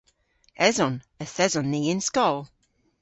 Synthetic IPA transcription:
ɛzɔ̃n | əθɛzɔ̃nːiːɪnskɔlˠ

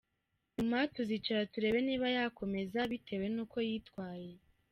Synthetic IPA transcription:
ɲumatozit͡ʃaɾatuɾe̞ːβe̞niːβajaːko̞me̞zaβitʰe̞we̞nuːko̞jiːtkwaːje̞

